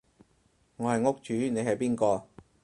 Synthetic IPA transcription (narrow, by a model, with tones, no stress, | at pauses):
ŋɔː˨˧hɐ˨jŋʊ˥k̚t͡ʃyː˨˥ne˨˧jɦɐ˨jpiː˥nkɔː˧